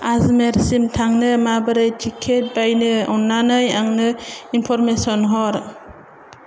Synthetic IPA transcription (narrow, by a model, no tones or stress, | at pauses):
azmeɾsimtʰaŋnɯmabɯɾɯjtʰikʰːet̚bajnɯɔnːanɯjaŋnɯinpʰɔɾmesɔnɦɔɾ